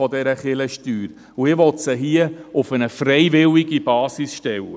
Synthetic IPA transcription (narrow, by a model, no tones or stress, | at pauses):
ɔdɛɾəχɪləʃtyːɾ | uɪʋɔtsəɦiəʊfənəfrɛjvɪliɡib̥ɑːsisʃtɛwə̰